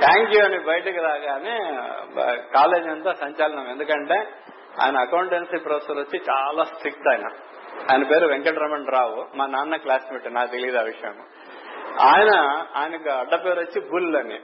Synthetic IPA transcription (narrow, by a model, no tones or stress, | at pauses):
t̪ʰaːŋkjuɐnibɐjɐʈɐkiɾaːɡaːne | kaːle̞ːd͡ʒɐnt̪aːsɐɲt͡ʃaːlɐnɐmend̪ukɐɳʈe̞ː | a̰ːjnɐːkɐwuɳʈensipɾoːsɐsot͡ʃːit͡ʃaːlaːsʈɾik̚t̪ɐjnɐ̰ | aːjinɐpe̞ːɾuʋeŋkɐʈɾɐmɐɳɖɾaːʋumaːnaːnːɐklaːsmiːʈːunaːkut̪eliɐd̪aːʋiʂɐjɐ̰ːmu | aːjɐnɐaːjinɐkuɐɖːɐpeːɾot͡ʃːibuːllɐnḭ